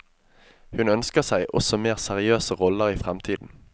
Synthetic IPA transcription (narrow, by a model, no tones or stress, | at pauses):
hʉnœnskəʁsæɪʔɔ̰sɔmeːʁsæʁɪøːsəʁɔləʁiːfʁɛmt̪ʰiːd̪n̩